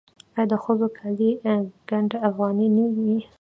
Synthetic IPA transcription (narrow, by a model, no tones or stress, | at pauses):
ajɑd̪əxəzokʰaliɡ̥aɳɖaafɣɑninəwi